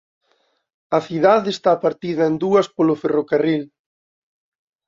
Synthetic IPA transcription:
ɐθiðaðest̪apaɾt̪iðɐend̪uɐspolʊferokaril

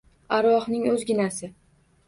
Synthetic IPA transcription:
aɾwɒχnɪŋɵzɡʲɪnasɪ

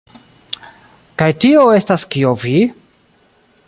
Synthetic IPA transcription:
kajtioe̞staskiovi

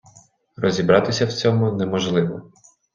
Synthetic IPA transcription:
rɔzʲibɾɑt̪ɪsʲɐwt͡sʲɔmʊnɛmɔʒlˠɪʋɔ

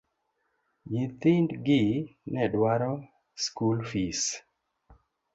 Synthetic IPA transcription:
jit̪indɡɪnɛdwaɾɔ | skulfis

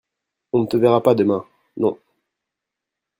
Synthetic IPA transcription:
ɔ̃nət̪əvɛʁapad̪əmɛ̃ | nɔ̃

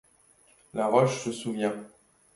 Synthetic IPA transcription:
laʁɔʃsəsuvjɛ̃

